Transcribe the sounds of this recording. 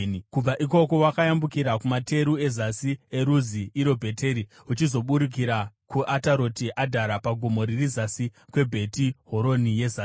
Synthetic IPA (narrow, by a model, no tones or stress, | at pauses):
kub͡vaʔik̬o̞ko̞wakajambukiɾakumatʰe̞ɾue̞zasie̞ɾuziiɾo̞bʱe̞te̞ɾi | ut͡ʃizo̞ɓuɾik̬iɾakuʔataɾo̞tiʔadʱaɾapaɡʱomo̞ɾirizasikwe̞bʱe̞tiɦo̞ɾo̞nije̞zaː